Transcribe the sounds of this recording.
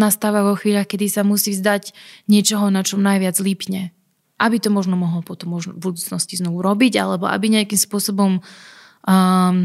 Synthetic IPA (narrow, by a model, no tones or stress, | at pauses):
nast̪aːʋaʋɔxʋiːʎaxkɛd̪isamusiːzd̪aɟɲɪɛt͡ʃɔɦɔnat͡ʃɔmnajʋɪad͡zlipɲɛ | ʔabit̪ɔmɔʒnɔmɔɦɔlpɔt̪ɔmːɔʒnɔbud̪uːt͡snɔsciznɔʋuɾɔbiɟa̰lɛbɔʔa̰biɲɛakimspʊɔsɔbɔm